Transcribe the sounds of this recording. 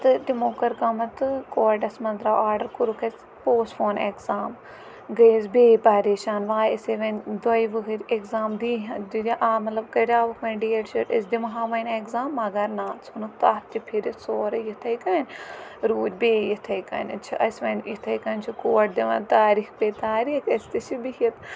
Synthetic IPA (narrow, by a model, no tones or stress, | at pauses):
t̪ɨʈimoːkɐɾkɐmɐt̪ɨkoːʈɐsmɐnd̪ɾaːaːɾɖɐɾkuɾukʰɐs | poːsfʰoːnekzaːm | ɡɐizbeːpaːɾeːʃaːnʋaːɐseʋɐnd̪ɐiʋɨɦɐɾʲekzaːmd̪iːɦɐd̪ud̪ʲiʔaːmɐt̪lɐb̚kɐɾʲaːʋɐkʰʋɐnɖieʈt͡ʃiʈɐsd̪imɐɦãːʋɐnʲekzaːmːɐɡɐɾnaːsunukt̪aːp̚t̪ʲipʰiɾisoːɾɐjit̪ʰɐjkɐːnʲɾuːd͡ʒʲbeːjit̪ʰɐjkɐ̰nʲt͡ʃʰiʔɐ̰sʲʋɐnjit̪ʰɐjkɐnʲt͡ʃʰikoːɐʈ̚d̪iʋɐnt̪aːɾiːxpeːt̪aːɾiːkʰɐsʲt̪it͡ʃʰibihɐt̪